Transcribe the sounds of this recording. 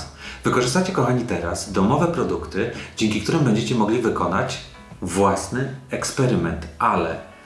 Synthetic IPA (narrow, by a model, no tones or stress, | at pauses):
vɘkɔʐɘst̪at͡ɕɛkɔxaɲit̪ɛɾa̰z̥d̪ɔmɔvɛpɾɔd̪ukt̪ɘd͡ʑɛŋkʲikt̪uɾɘmbɛɲd͡ʑet͡ɕɛmɔɡlʲivɘkɔnat͡ɕ | vwasnɘɛkspɛɾɘmɛnt̪alɛ̰